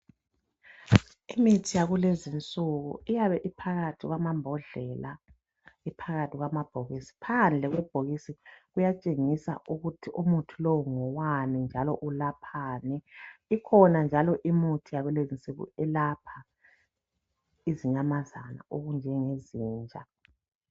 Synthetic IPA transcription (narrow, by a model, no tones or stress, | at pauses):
imitʰijaɣulezint͡sʼuɣṵijaβɛʔipʰaɣatʰiɣwamambʱɔɮɛla | ipʰaɣatʰiɣwamab̥ʱoɣisi̥pʰand͡ɮʱɛɣwɛb̥ʱoɣisiɣujat͡ʃʼeŋisa̰ʔuɣutʰiʔumutʰulɔwuŋɔwanind͡ʒʱalɔ̰ʔulapʰaːnɛikʰɔnand͡ʒʱalɔʔimutʰijaɣulezint͡sʼuɣṵɛlapʰa | iziɲamazana̰ʔoɣund͡ʒʱɛŋeziːnd͡ʒʱa̰